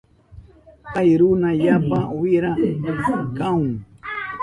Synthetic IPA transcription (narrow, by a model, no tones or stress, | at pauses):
ajɾunãjapawiɾã | kãũ